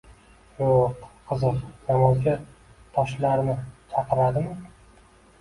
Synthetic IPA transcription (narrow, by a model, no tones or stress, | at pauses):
joqqʰɨzɨqnamɒzɡʲat̪ʰɒʃlaɾnɪt͡ʃʰɑqʰɨɾad̪ɪmɪ